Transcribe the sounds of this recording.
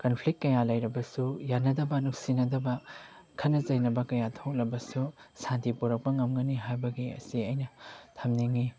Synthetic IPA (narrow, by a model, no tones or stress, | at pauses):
kɐnpʰlik̚t̚kːɐjalɐjɾɐbɐsujanɐdɐbɐnuk̚sinɐdɐbɐ | kʰɐtnɐzɐjnɐbɐkɐjatʰok̚lɐbɐsusantipoɾɐk̚pɐŋɐmɡɐniɦajbɐɡiɐ̰siɐjnɐtʰɐmniŋi